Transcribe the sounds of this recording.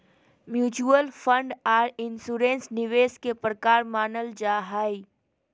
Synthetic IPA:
mjuːt͡ʃuəlfʰə̃ɳɖaːɾɪnsuːɾẽnsnɪʋeːskepɾəkaːɾmaːnəld͡ʒaːɦaːi

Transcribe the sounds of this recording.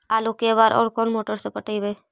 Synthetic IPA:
aːlokeʋaːɾʔɔ̰ːɾkoːnmoːʈəɾsepəʈəiʋeː

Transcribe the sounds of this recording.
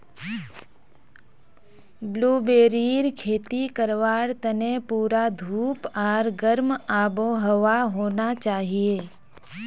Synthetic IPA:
bluːbeːɾiːɾkʰeːt̪ikəɾʋaːɾt̪ənẽpuːɾad̪ʱuːpaːɾɡəɾmaːboɦəʋaɦoːnat͡ʃaːɦijeː

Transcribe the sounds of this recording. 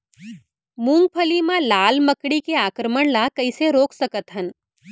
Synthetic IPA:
mũːŋɡ̚pʰəlimãlaːlməkɽikeaːkɾəməɽ̃laːkɐiseɾoːksəkət̪ɦən

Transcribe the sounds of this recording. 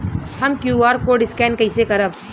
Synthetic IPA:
hɐmkjuːaːɾkoɖɪskɛːnkɐɪsekɐɾəb

